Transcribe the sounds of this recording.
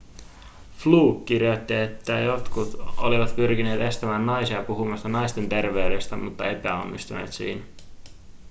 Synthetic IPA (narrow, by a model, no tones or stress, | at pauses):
fluːkːirjot̪ːie̞t̪ːæjo̞t̪kut̪oliʋɑt̪pyrk̟ine̞ːt̪e̞st̪æmæːnːɑjsiɑpuɦumɑst̪ɑnɑjst̪e̞nt̪e̞rʋe̞yde̞st̪æmut̪ːɑe̞pæo̞̰nːist̪unḛːt̪sḭːnæ